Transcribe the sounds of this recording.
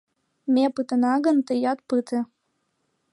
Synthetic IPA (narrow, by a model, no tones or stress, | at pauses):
mepɨt̪ənɑɣənt̪əjɑt̪̚pɨt̪ĕ